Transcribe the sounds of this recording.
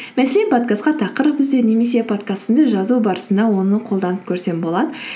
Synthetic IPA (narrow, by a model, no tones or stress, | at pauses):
mæselepʰot̪̚kasqɑt̪ʰɑqəɾəpbɪzd̪e̞ne̞me̞se̞pʰot̪kast̪ənd̪əʒɑzubɑɾəsənd̪ɑwo̞nəqʰo̞lˠd̪ɑnəp̚kʲʰɵɾse̞mbo̞lˠɑd̪ə